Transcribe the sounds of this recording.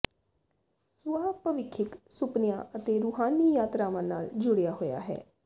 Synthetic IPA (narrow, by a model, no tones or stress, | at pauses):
sʊaːpəʋɪkʰːɪksʊpnɪjã̰ːət̪eːɾʊɦaːniːjaːt̪ɾaːʋãːnaːld͡ʒʊɽɪjaːɦoːja̰ːɦɛ̰ː